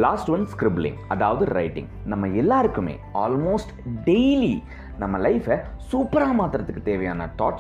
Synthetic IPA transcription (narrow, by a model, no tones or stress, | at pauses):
laːsʈʋɐnskɾɪblɪ̰̃ŋɐðaːʋɐðɯɾɐɪʈɪ̰̃ŋɡnɐmːɐɛlːaːɾɯkːɯmḛːaːlmoːsʈɖeɪli | nɐmːɐlɐɪfɐsuːpɐɾaːmaːt̪ɾɐt̪ːɯkːɯt̪eːʋɐjaːnɐʈɔ̰ːʈ